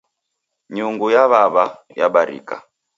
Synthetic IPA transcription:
ɲuŋɡujaβaβa | jaɓaɾḭka̰

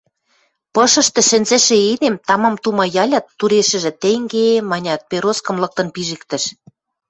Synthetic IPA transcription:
pɤ̆ʃɤ̆ʃt̪ɤ̆ʃɘ̆nzɘ̆ʃĕed̪emt̪ɑmɑmt̪umɑjɑlʲɑt̪ːuɾeʃɘ̆ʒɘ̆t̪eŋɡemɑnʲɑt̪̚peɾoskɤ̆mlɤ̆k̚t̪ɤ̆npiʒɘkt̪ɘ̆ʃ

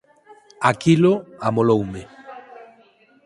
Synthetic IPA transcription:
akiloamolowme

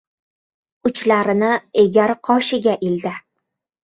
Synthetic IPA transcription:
ʊt͡ʃlaɾɪnɪeɡʲaɾqʰɒʃɪɡʲaʔild̪ɪ

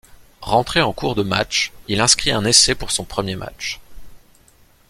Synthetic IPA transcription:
ʁɑ̃t̪χeɑ̃kuʁd̪əma̰t͡ʃilɛ̃skχiɛ̃nesɛpuʁsɔ̃pχəmjema̰t͡ʃ

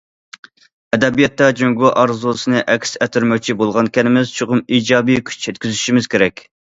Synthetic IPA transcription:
ɛd̪ɛbijɑt̪ːɑd͡ʒøŋɡuʔɑɾzulˠɨsɨnɨʔɛkʲsɛt̪ʰyɾmɛk̚ʲt͡ʃʰibolˠʁɑnkʲɛnɪmɪz̥t͡ʃʰoʁʊmiːd͡ʒɑːbijkʲʰy̥t͡ʃʰɛt̪kʲyzyʃimɪz̥kʲʰeɾɛkʲ

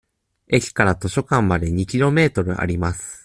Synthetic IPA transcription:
e̞kʲi̥kaɾat̪o̞ɕo̞kãmːad̪e̞ɲ̟ikʲiɾo̞me̞ːt̪o̞ɾɯ̟ʔa̰ɾʲimasɨ̥

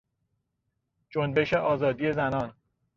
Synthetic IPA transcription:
d͡ʒonbe̞ʃe̞ʔɒːzɒːd̪iːje̞zænɒːn

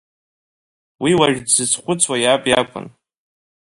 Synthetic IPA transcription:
wiwaʒᶣdzɨt͡sʰχʷʊt͡sʰwajapʼja̰kʷʰʼʊ̰n

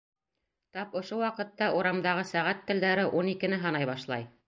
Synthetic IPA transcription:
t̪ɑpŏʃowɑqɤ̆t̪ːɑʔuɾɑmd̪ɑʁɤsæʁæt̪ːɘ̆ld̪æɾɘʔunikɘ̆nɘɦɑnɑjβɑʃlˠɑ̰j

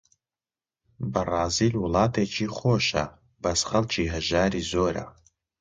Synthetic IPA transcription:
baraːzilwulaːtʰet͡ʃʰʼiχʷoːʃa̰ | basχɐlt͡ʃʰiɦɐʒaːɾizoːɾa̰

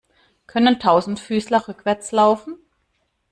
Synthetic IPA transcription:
kʰœnəntʰaʊzn̩tfyːslɐʁʏkv̥ɛɐt͡slaʊfn̩

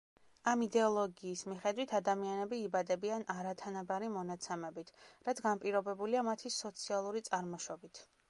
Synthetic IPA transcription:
amid̪ɛɔlˠɔɡiːsmiχɛd̪wit̪ʰad̪amianɛbiːbad̪ɛbianʔaɾat̪ʰanabaɾimɔnat̪sʰɛmɛbit̪ʰɾat̪sɡanpʼiɾɔbɛbuliamat̪ʰisɔt̪sʰialˠuɾit̪sʼaɾmɔʃɔbit̪ʰ

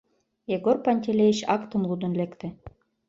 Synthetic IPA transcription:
jeɡorpɑnʲt̪ʲelʲeiɕɑkt̪ə̆mlud̪ə̆nlekt̪ĕ

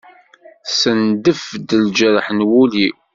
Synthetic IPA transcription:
sənd̪əfd̪əld͡ʒəɾəħnwuli

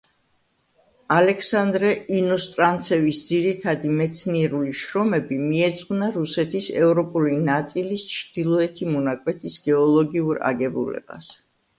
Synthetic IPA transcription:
alɛkʰsand̪ɾɛinɔst̪ʼɾant̪sʰɛvisd̪ziɾit̪ʰad̪imɛt̪sʰniɛɾuliʃɾɔmɛbimiɛt̪sʼqʼvnaɾusɛt̪ʰisɛvɾɔpʼulinat̪sʼilist͡ʃʰɾd̪̥ilˠɔɛt̪ʰimɔnakʼwɛt̪ʰisɡ̥ɛɔlˠɔɡiuɾa̰ɡɛbṵlɛ̰b̥a̰s

